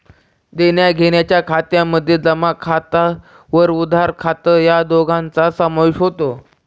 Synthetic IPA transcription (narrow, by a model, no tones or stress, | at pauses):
d̪enjaɡʱeɽ̃jat͡ɕjakʰat̪jamːəd̪ʱːjed͡zəmakʰat̪a | ʋəɾud̪ʱaɾkʰat̪əjad̪oɡʱãnt͡sasəməɕɦot̪o